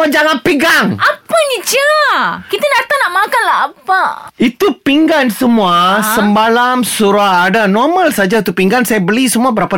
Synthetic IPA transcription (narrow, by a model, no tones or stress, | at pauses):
ad͡ʒaŋanpiɡaŋʔapaɲit͡ʃakit̪anart̪anaʔmakanlaɦapait̪upiŋɡansəmuasəmbalamsuɾaːdanɔrmãlsad͡ʒait̪upiŋɡansajabəlisəmuabəɾapa